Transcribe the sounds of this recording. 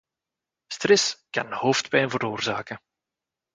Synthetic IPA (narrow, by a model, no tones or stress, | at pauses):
strɛskɑ̰nhoːftpɛjnvəɾoːrzaːkə